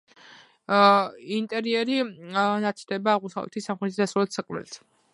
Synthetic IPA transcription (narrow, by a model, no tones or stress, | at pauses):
int̪ʼɛɾiɛɾinat̪sʰd̪ɛbaːʁmusavlɛ̰t̪ʰisamχɾɛt̪ʰid̪asalɛt̪sakʼmɛ̰lt̪ʰ